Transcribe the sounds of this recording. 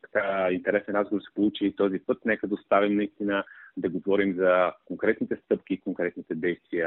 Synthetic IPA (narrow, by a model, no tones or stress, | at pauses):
t̪ɐ̥kaint̪ɛɾɛsɛnɾazɡovɾsɛ̥polˠut͡ʃiːt̪ɔzipɤt̪nɛkəd̪əost̪avimnɐist̪inəd̪ɐɡovɔɾimzɐkoŋkɾɛt̪nit̪ɛst̪ɤpk̟ʲikoŋkɾɛt̪nit̪ɛd̪ɛjst̪viə